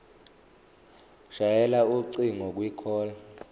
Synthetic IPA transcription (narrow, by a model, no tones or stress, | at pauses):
ʃajɛlauǀiŋɔk̬wikʰɔːla